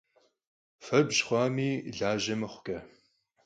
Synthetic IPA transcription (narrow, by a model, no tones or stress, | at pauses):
fɐbɕχʷɑːmiːɮaːʒɐmɐχʷʊ̥ɡʼɐ